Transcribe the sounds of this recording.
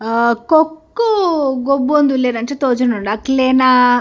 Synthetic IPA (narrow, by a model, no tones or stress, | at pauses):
kokːuɡobːond̪uleːɾɐɳʈeːt̪oːd͡ʒɐnuɳɖakleːna